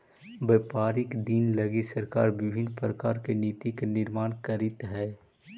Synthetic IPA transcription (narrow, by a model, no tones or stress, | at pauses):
ʋeːpaːɾɪkd̪inlɐɡisəɾka̰ːɾʋɪbʱɪnpɾəkaːɾkeniːt̪ikenɪɾmaːnkɐɾɪt̪ɦɛː